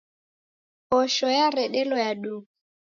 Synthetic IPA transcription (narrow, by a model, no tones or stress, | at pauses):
ɔʃɔjarɛɗɛlɔjaɗu